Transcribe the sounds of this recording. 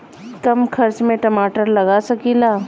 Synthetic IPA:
kɐmkʰɐɾt͡ʃmẽʈɐmaːʈəɾlɐɡasɐkiːlaː

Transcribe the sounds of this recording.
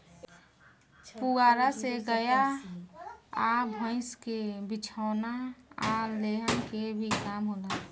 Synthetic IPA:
puaːɾaseɡəja | abʱə̃ɪskebɪt͡ʃʰaːnaaleɦənkebʱikaːmɦoːla

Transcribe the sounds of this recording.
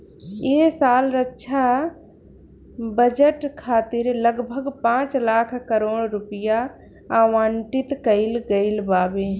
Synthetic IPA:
eːsaːlɾətːʃʰa | bəd͡ʒəʈkʰaːt̪ɪɾləɡbʱəɡpãːt͡ʃlaːkʰkəɾoːɽɾʊpɪja | aːwãːɳʈɪt̪kəɪlɡəɪlbaːbẽː

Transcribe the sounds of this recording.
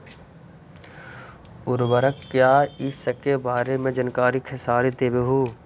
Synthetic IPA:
ʊɾbəɾəkːjaːɪsəkːebaːɾemẽd͡ʒənkaːɾikʰɪsaːɾid̪eːbeɦoː

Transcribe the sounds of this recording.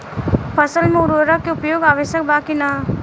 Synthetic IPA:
pʰɐsəlmẽʊɾoəɾəkːeʊpjoːɡaːʋəʃjəkbaːkina

